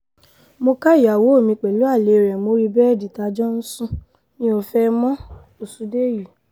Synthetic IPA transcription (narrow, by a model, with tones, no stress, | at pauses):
mo˧ka˦˨a˨wo˨˦o˦˨mĩ˧k͡pɛ˨lu˨˦a˦˨le˨ɾɛ˨mo˧˦ɾi˧bɛ˦ɛ˦˨di˨ta˧d͡ʒɔ˦n̩˦sũ˦ | nĩ˦o˧fɛ˦mɔ̃˦ | o˦˨su˨˧de˦˨ji˨